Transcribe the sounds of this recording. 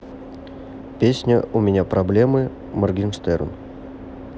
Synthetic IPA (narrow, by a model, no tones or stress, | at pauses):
pʲesʲnʲəʔʊmʲɪnʲapɾɐblʲemɨ | mɐrɡʲinʂt̪ɛɾ̰n